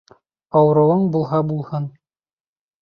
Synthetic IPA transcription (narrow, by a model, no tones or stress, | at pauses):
ɑwɤ̆ɾɤ̆w̪ˠɤɴbulˠɦɑbulˠhɤn